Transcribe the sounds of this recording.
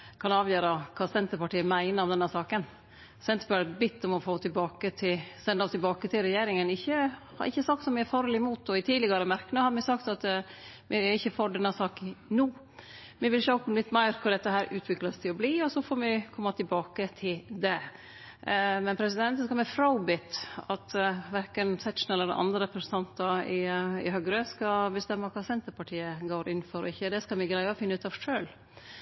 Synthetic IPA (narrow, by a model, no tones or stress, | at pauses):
kʰɑnɑːʋjøːɾɑkʰɑːsɛnt̪əɾpɑʈiːəmæɪnəɾɔmd̪ɛnːəsɑːkən | sɛnt̪əɾpɑʈːt̪bɪt̪ːɔmɔfoːt̪ʰɪlbɑːkət̪ʰɪsɛnd̪əɔst̪ɪlbɑːkət̪ʰɪlɾɛjeːɾɪŋənɪçːə | hɑ̰ɾɪ̰çːəsɑkt̪sɔmæɾfɑːɾəlɪmuːt̪ɔɪt̪ʰiːd̪lɪɡəɾəmæɾkənəhɑd̪mɪsɑkt̪ɑt̪ | mʔɪɪçːəfɔɖɛnːəsɑːknuː | mɪʋɪlʃoklɪt̪ːmæɪɾkʰʊɖ̪ɛt̪ːəɦæːɾʔʉːt̪ʰʋɪkləst̪ʰɪlɔbliːɔsɔfɔɾmɪkʰɔmːɑt̪ʰɪlbɑːkət̪ʰɪld̪ɛ | mɛnpʰɾɛsɪd̪ɛnt̪sskɑlmɛfɾɑʊbɪt̪ɑt̪ʋæɾkənsɛkʂn̩ɛlːəɾɛʔɑ̰nd̪ɾəɾɛpʰɾsən̩t̪ʰɑnt̪ɑɪɪ̰ɦœɡɾəskɑbəst̪ɛmːəkʰɑːsɛnt̪əɾpɑʈʰiːəɡoːɾʔɪnːfɔɾɔ̰ɪçːəd̪ɛskɑlmɪɡɾæɪɔfɪnːəʉːt̪ɑʋʂøːl